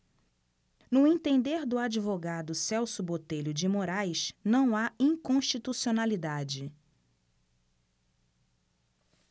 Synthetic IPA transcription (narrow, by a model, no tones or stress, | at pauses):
nʊẽt̪ẽnd̪eɾd̪ʊad͡ʒivoɡad̪ʊsɛwsʊbot̪eʎʊd͡ʒɪmoɾajʃnɐ̃w̃aĩkõʃt͡ʃit̪usionalid̪ad͡ʒɪ